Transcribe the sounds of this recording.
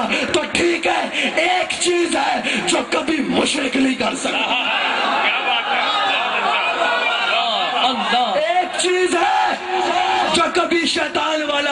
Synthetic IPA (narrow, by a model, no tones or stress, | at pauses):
t̪oːʈʰiːkɦɛːeːkt͡ʃiːzɦɛːd͡ʒoːkɐbʱimoʃɾeknɐɦĩːkɐɾsɐk̪aaː | eːkt͡ʃiːzɦɛ | d͡ʒoːkɐbʱiʃɛːt̪aːnʋaːla